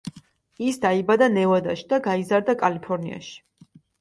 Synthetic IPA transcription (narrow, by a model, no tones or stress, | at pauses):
isd̪aibad̪anɛvad̪a̰ʃi̥d̪aɡaizaɾd̪akʼalipʰɔɾnḭa̰ʃi̥